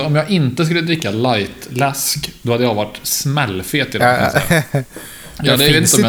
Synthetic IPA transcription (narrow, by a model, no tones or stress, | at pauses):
ɔmjɑːɡɪnt̪əskɵlːəd̪ɾɪkːalajt̪lɛskd̪ɔhad̪ːəjɑːɡvaʈːsmɛlːfeːt̪ʰːɪl̰s | jɑd̪ɛet̪ɪnt̪ɔmj